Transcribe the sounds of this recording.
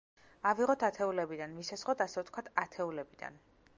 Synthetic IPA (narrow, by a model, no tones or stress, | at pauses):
aviʁɔt̪ʰat̪ʰɛulɛbid̪anvisasʁɔt̪ʰasɛvɛt̪ʰkʰwat̪ʰat̪ʰɛulɛbid̪a̰n